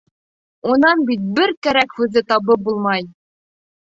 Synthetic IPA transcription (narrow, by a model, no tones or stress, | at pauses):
unɑnbit̪̚bɘɾkæɾækhʉðɘt̪ɑβɤp̚bulˠmɑj